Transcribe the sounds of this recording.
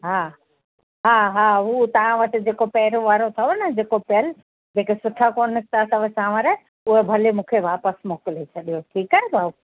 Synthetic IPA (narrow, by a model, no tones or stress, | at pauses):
ɦaː | ɦaːɦaːɦuːt̪ɐʋ̤ãʋɐʈɪ̆d͡ʑeːkopɛːɾõʋaːɾot̪ʰɐonɐd͡ʑeːkopɐjəl | d͡ʑẽːkesʊʈʰakoːnɪst̪ʰat̪ɐʋəsãːʋaɾɛː | ʊɦebʱɐlemũːkʰeʋaːpəsmoːkɪlet͡ɕʰɐɗijoʈʰiːkabʱaːb